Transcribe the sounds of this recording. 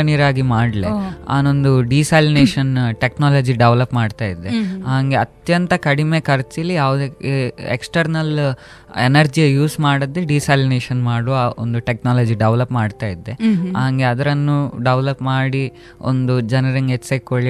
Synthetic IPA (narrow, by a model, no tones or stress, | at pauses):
ɐniɾaːɡimaːɖlea̰ːnond̪uɖiːsaːlineːʃɐnʈeknaːlɐd͡ʒiɖeʋlɐpmaːɖt̪aːjid̪ːeɦaːŋɡe̞ɐt̪jɐnt̪ɐkɐɽime̞kɐɾt͡ʃilijaːʋud̪eḛksʈɐɾnɐl | enɐɾd͡ʒiɐjuːsmaːɽɐd̪ːeɖiːsaːlineːʃɐnmaːɽoːo̰nd̪uʈeknaːlɐd͡ʒiɖeʋlɐpmaːɖt̪aːjid̪ːe̞ɦaːŋɡe̞ɐd̪ɐɾɐnːuɖeʋlɐpmaːɽi | o̰nd̪ud͡ʒɐnɐɾiŋɡet͡ʃːsekːoɭi